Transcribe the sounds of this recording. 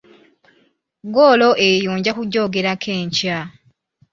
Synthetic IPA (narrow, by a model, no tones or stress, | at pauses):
ɡoːloʔejoːɲɟakuɟːo̞ːɡe̞ɾakʰe̞ːɲca